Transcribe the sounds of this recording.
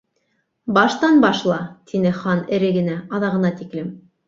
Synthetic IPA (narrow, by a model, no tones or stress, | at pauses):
bɑʃt̪ɑnbɑʃlˠɑt̪ʰinɘχɑnɘ̆ɾɘɡɘ̆næɑðɑʁɤ̆nɑt̪iklɘm